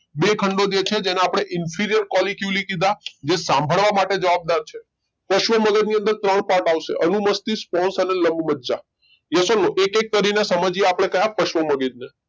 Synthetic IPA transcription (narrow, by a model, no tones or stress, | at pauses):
bekʰəɳɖod͡ʒet͡ʃʰed͡ʒeneapɽ̃eʔɪnfʰiɾijəɾkɔlikjulikid̪ʱad͡ʒesãmbʱəɭʋamaʈed͡ʒəʋab̚d̪aɾt͡ʃʰe | pəʃʋəməɡəd͡ʒniə̃nd̪əɾt̪ɾəɳpaɾʈaʋʃḛʔənuməst̪ispɔnsəneləmbʱmədːd͡ʒa | jəsənːoʔekek̚ːəɾinesəməd͡ʒieapɽ̃ekəɦjãpəʃʋəməɡid͡ʒne